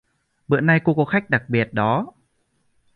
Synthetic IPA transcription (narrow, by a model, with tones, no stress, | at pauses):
ɓɨ̰˧˨əna˧jko˧˥kɔ˨˦xa˦˥jk̚ɗa˨˩k̚ɓi˨˩ət̚ɗɔ˨˦